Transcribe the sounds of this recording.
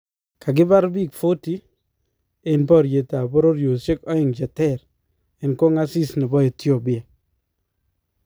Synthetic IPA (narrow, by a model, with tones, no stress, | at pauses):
ka˨ɡ̬ɪ˦ba˦ɾbi˦˨kfo˦ti˦ | e˨npɔ˦ɾje˨ta˨bɔ˦ɾo˦ɾjo˨ʃe˦kɔ˦ɪ˨ŋd͡ʒa˨tɛ˦˨ɾ | e˨nko˦ŋa˦si˦sni˨bɔ˦e˨tjo˦˨bɪ˨a˨